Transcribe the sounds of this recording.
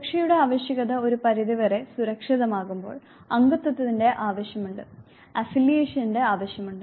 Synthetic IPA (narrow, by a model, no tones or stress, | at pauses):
ɐkʂɐjuɽe̞aːʋɐɕjɐɣɐðɐo̞ɾupɐɾiðiʋɐre̞suɾɐkʂiðɐmaːɣumbo̞̰ːɭ | ɐŋɡɐt̪ːwɐt̪ːɐðinde̞ʔaːʋɐɕjɐmuɳɖɨ | ɐfilːijeːʂɐninde̞aːʋɐɕjɐmuɳɖɨ